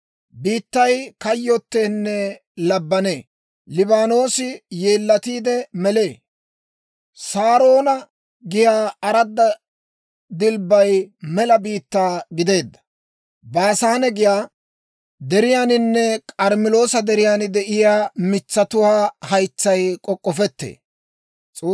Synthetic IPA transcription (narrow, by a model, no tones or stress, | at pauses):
biːt̪ːɐjkɐjːɔt̪ːeːnːɛ | lɐbːɐneː | lɪbaːno̞ːsɪje̞ːlːɐt̪iːd̪ɛmɛle̞ː | saːɾo̞ːnɐ | ɡɪjaːɐɾɐd̪ːɐ | d̪ɪlbɐjmɛlɐbiːt̪ːaːɡɪd̪e̞ːd̪ːɐ̥ | bɐːsaːnɛɡɪjaː | d̪ɛɾɪjaːnɪnːɛkʼɐɾmɪlo̞ːsɐd̪ɛɾɪjaːnɪd̪ɛʔɪjaːmɪt͡sːɐt̪ʊwaːhɐjt͡sːɐjkʼɔkʼːɔfɛt̪ːḛː | t͡sʼː